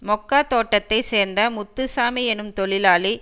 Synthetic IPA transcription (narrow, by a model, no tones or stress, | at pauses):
mɔkːaːt̪oːʈːɐt̪ːɐɪseːɾnd̪ɐmʊt̪ːɯsaːmiɛnɯmt̪ɔɭɪlaːli